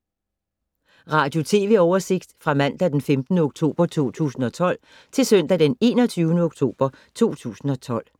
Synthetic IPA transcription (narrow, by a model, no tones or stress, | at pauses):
ʁɑ̈d̥jo̝t͡sʰe̝̰ːʋe̝ɒʊɐse̝ɡ̥̚d̥fʁɑ̈mæn̰d̥æd̥enfemd̥n̩əoɡ̥t͡sʰo̝̰ːb̥ɐt͡sʰo̝̰ːt͡sʰṵːsn̩ɒ̽t͡sʰɒ̽l̰ | t͡sʰe̝lsœn̰d̥æd̥ene̝ːnɒt͡sʰyːʊnəoɡ̥t͡sʰo̝̰ːb̥ɐ | t͡sʰo̝̰ːt͡sʰṵːsn̩ɒ̽t͡sʰɒ̽l̰